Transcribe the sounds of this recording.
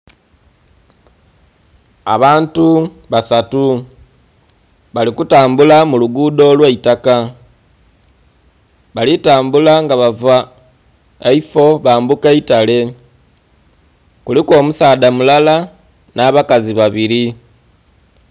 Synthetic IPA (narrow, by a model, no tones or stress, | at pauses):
a̰βaːntu | βasatu | βalikutaːmbulamuluɡudo̞lweitaka | βalitaːmbulaŋɡaβava | eifo̞βaːmbukeitale̞ | kuliko̞ːmusaːdamulala | naːβakaziβaβiɾi